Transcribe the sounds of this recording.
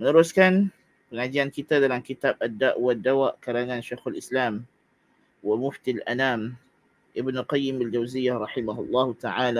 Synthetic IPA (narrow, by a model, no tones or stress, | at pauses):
mɪnaɾaskaːn | bɪnʕad̪jaːnkɪt̪aːd̪alankɪt̪aːbʔad̪ːaːʔwad̪ːawaːʔkaɾananʃajxalʔɪslaːm | wɪmʊft̪ilʔanaːm | ʔɪbnqɑjːɪmald͡ʒawzɪjːaɾˤɑħɪmahʊlˤːɑːht̪aʕaːla